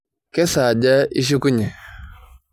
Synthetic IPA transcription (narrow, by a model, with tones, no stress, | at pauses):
kɛ˦sa˨d͡ʒa˦i˦ʃ̬i˦ku˦ɲɛ˨